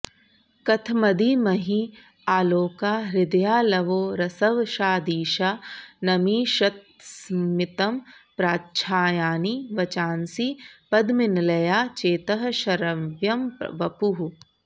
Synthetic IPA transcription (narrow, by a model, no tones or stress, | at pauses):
kɐt̪ʰmɐd̪iːmɐɦi | aːloːkaːɾɪd̪ɐjaːlɐʋoːɾɐsɐʋʃaːd̪iːʃaːnɐmiːʃɐt̪̚ | smɪt̪ɐmpɾaːtʃʰaːjaːniʋɐt͡ʃaːnsipɐd̪mɪnlɐjaːt͡ʃeːt̪ɐɦɐʃɐɾɐʋjɐmʋɐpuɦu